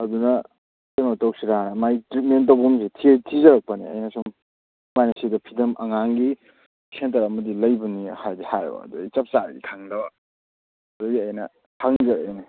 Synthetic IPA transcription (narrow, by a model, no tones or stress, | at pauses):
ɐdunɐ | sematowk̚siɾamajtɾit̚mentowbumsitʰitʰizɐɾɐk̚pɐnḭɐ̰jnɐsuŋ | majnasidɐpʰidɐmɐŋaŋɡi | sʰentɐɾɐmɐdilɐjbɐnihajdihaj̰bɐ̰dujt͡ʃap̚saɾɡḭkʰaŋdɐ | ɐduɡiɐjnɐ | kʰaŋzɐɾa̰jni